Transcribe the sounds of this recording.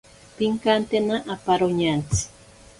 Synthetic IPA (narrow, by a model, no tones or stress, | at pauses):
piŋkant̪enaʔːpaɾoɲant͡sɪ̥